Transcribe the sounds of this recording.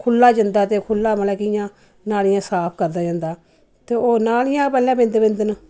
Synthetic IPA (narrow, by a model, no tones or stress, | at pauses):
kʰʊlːaːd͡ʒənd̪aːt̪eːkʰʊlːaːməlɛːkɪjãː | naːlɪjãːsaːpʰkəɾd̪aːd͡ʒãːnd̪aː | t̪eːoːnaːlɪjãːpɛːlãːbɪ̃nd̪bɪ̃nd̪ən